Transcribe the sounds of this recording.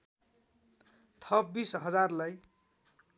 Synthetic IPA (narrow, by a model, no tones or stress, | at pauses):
t̪ʰʌpbisɦʌd͡zarlaj